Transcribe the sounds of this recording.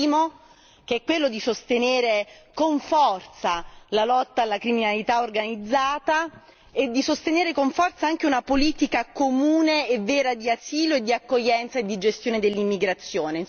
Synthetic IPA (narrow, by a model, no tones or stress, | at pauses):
iːmo | keɛkːwelːod̪isost̪eneːɾekoɱfɔrt̪salalɔt̪ːaːlːakɾiminalit̪aorɡanid̪zːaːt̪a | ed̪ːisost̪eneːɾekoɱfɔrt̪saaŋkeunapoliːt̪ikakomuːneːvːɛːɾad̪iasiːloed̪ːiakːoʎːɛnt̪saed̪id͡ʒest̪joːned̪elːimːiɡɾat̪sːjoːne